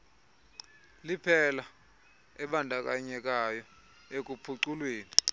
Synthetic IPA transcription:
lipʰɛla | ɛɓandʱak̬ʼaɲɛk̬ajɔ | ek̬upʰuǀulweːni

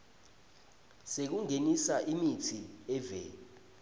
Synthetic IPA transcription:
sek̬uŋenisaʔimitʰiɛvɛ̰

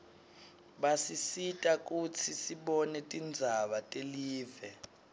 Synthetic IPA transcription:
ɓasisitʼak̬ʼut͡sʰisiɓɔnɛtʼind͡zʱaɓatʼeliːvɛ

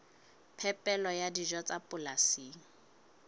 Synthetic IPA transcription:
pʰɛpʼɛlɔjadiʒɔt͡sʼapʼʊlasiːŋ̩

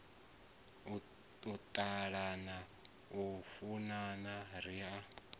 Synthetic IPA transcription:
ut̪ʼaɺana | ufunanaɾia

